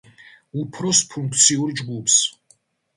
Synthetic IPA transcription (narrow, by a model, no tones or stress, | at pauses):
upʰɾɔspʰũŋk̚ʰt̪sʰiuɾd͡ʒɡupʰs